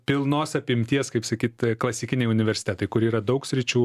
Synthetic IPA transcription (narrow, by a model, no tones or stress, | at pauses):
pʲɪlˠnoːsɐpʲɪmʲt̪ʲiɛskɐɪpsɐkʲiːt̪klˠɐsʲɪkʲɪnʲɛɪʊnʲɪʋʲɛɾʲsʲɪ̥t̪ʲæt̪ɐɪkʊɾiːɾɐd̪ɒʊksʲɾʲɪt͡ʃʲuː